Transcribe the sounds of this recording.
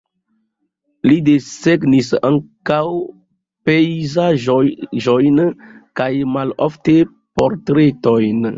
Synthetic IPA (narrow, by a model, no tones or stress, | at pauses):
lideseɡnisaŋkaw | pejzaʒoʒojnkajmalo̰fte̞ | poɾtɾe̞to̞jn